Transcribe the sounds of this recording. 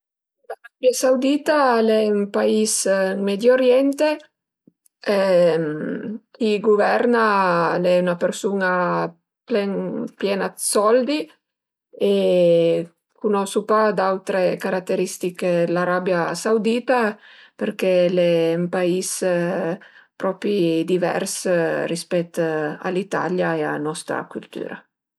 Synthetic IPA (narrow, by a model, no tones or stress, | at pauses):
laɾabjasawd̪iːt̪alɛympaismɛd̪joɾjɛnt̪e | ɛm | iɡuvɛɾnalɛunapeɾsuna | plɛŋpjɛːnasɔld̪i | e | kunɔsupad̪awt̪ɾekaɾat̪ːeɾist̪ikelaɾabjasawd̪iːt̪a | peɾkɛlɛumpais | pɾɔpɾid̪ivɛ̰rsrispɛt̪ːa̰lit̪a̰ljaea̰nɔst̪ɾa̰kult̪y̰ːɾa̰